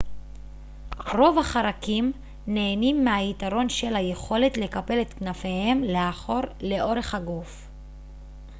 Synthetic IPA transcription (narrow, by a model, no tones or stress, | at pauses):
ʁo̞vhaχaɾakim | ne̞ːnimːehaitaʁo̞nʃe̞lhaje̞χo̞le̞tle̞kape̞let̪knafe̞he̞mleaχo̞ʁle̞ʔo̞ʁe̞χhaɡuf